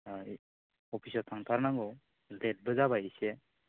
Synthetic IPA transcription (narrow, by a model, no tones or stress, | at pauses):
ɔpʰisɔtʰaŋt̪ʰaɾnaɡɔ | let̚bɯzabajise